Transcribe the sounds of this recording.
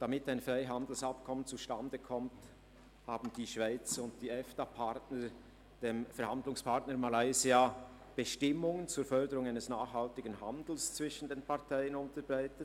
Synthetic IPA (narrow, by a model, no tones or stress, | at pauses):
d̥amɪtaɪnfʁaɪɦandl̩sɑp̚kʰɔmənt͡suʃtandəkʰɔmt | haːbn̩diːʃv̥aɪt͡sʊnt̚d̥iːɛfd̥apʰaʁtnə | d̥eːmfɛɐɾhandlʊŋspʰaʁtnəɾmalaɪzia | b̥əʃtɪmʊŋənt͡suːɐfœʁdəɾʊŋaɪnəsnaːχhaltɪɡən̩ɦa̰ndl̩st͡sv̥ɪʃn̩deːnpʰaʁtʰaɪənʊntəbʁaɪtət